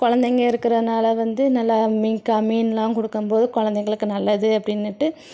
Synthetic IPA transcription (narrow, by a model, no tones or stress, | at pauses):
kɔɻɐnd̪ɛŋɡɐɪɾɯkːɪɾɐnaːlɐʋɐnd̪ɯnɐlːɐmiːkɐmiːnlãːkɔɽɯkːɯmpoːðɯkɔɻɐnd̪ɛŋɡɐɭɯkːɯnɐlːɐðɯɐpːɐɽɪnːɪʈːɯ